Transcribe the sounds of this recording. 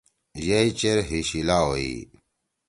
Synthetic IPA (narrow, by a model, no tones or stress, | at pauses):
jɐit͡ɕeɾɦiɕilaːoḭ